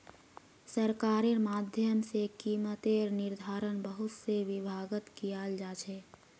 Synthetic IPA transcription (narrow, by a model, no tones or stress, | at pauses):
səɾkaːɾiɾmaːd̪ʱjəmsekiːmət̪eɔɾnɪɾd̪ʱaːɾənbəɦʊt̪seʋɪbʱaːɡət̪kiaːld͡ʒaːt͡ʃʰɛː